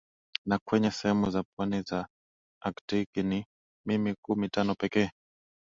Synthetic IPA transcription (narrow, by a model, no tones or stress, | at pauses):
nakwɛɲɛsɛhɛmuzapwaniza | aktikini | mimikumitanɔpɛkɛː